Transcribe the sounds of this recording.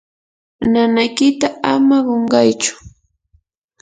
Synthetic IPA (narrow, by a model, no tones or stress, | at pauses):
nanajkɪt̪aamaɢoɴɢɑjt͡ʃʊ̥